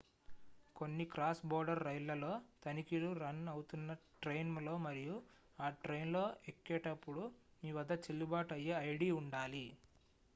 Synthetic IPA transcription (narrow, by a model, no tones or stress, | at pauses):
ko̞nːikɾaːsbɔːɾɖɐɾːɐjlɐlo̞ːt̪ɐnikiluɾɐnɐwut̪unːɐʈɾejnmlo̞ːmɐɾiju | aːʈɾe̞jnlo̞ːʔekːɛːʈɐpːuɽumiːʋɐd̪ɐt͡ʃelːubaːʈɐjːeɐjɽiːuɳɖaːli